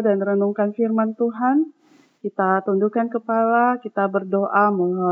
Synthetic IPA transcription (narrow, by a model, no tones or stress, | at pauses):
danrənuŋkanfirmant̪uɦan | kit̪at̪undukankəpalakit̪abərdoʔamula